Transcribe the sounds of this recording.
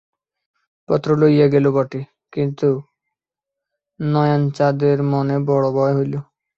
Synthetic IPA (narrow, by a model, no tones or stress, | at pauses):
pɔt̪ːɾolojjaɡelobɔʈi | kint̪u | nɔjant͡ɕad̪eɾmɔnebɔɽobɔeɦojlo